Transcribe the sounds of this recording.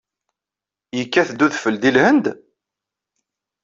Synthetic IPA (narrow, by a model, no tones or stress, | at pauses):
jəkːæθd̪ːuðfəld̪ilhənd̪